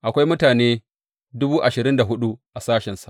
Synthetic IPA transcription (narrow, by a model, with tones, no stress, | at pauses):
ʔa˨kʷa˦jmʊ˦taː˨neː˦ | dʊ˦buː˦ʔa˨ʃɪ˨ɾɪ˦nda˨ɦʊ˦ɗu˦ʔa˨saː˦ʃɛ˨nsa˨